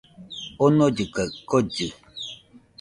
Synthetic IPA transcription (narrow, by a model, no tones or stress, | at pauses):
onɔd͡ʒɨkəʔkɔd͡ʒi